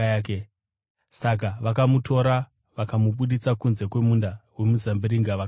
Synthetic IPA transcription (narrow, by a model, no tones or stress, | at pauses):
ke | sak̬aʋakamutʰo̞ɾa | ʋakamuɓuɗit͡sakunze̞kwe̞mundawe̞muzambiɾiŋɡaʋak